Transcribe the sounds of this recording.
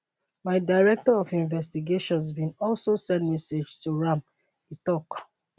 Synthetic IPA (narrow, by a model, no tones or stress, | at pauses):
maɪdaɪɹɛk̚tɔɔfĩɱvɛs̬tiɡeʃɔ̃ns̬bĩnɔlsosɛ̃ntmɛsed͡ʒtuɹãm | itɔk